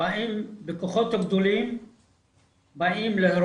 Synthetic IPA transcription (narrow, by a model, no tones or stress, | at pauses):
aʔimbekoχot̪haɡd̪olim | baʔimlehɾ